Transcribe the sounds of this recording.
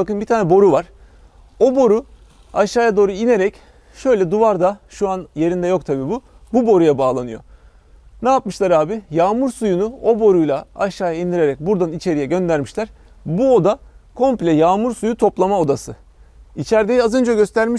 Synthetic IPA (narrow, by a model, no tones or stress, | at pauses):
bakɯnbit̪ʰaːnɛbo̞ɾuvaɾ̥ | o̞bo̞ɾu | aʃaːjad̪o̞ːɾuine̞ɾɛc | ʃø̞jlʲɛd̪uvaɾd̪aʃuanje̞ɾind̪ɛjo̞kt̪ʰabiːbu | bubo̞ɾujabaːlˠanɯjo̞̰ | najap̚mɯʃlˠaɾaːbɪjaːmuɾsujunuo̞bo̞ɾujlˠaaʃːaːjaind̪iɾe̞ɾɛc̚buɾd̪anit͡ʃʰe̞ɾijɛɟø̞nd̪æɾmiʃlʲæɾ̥ | buo̞d̪akʰo̞mplʲɛjaːmuɾsujut̪ʰo̞plˠamao̞d̪asɯ | it͡ʃʰæɾd̪ejiazø̞nd͡ʒɛɟø̞st̪ʰæɾmiʃ